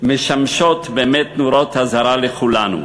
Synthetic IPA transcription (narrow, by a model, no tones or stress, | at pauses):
meʃamʃot̪bemet̪nuɾot̪hazaɾaleχulanṵ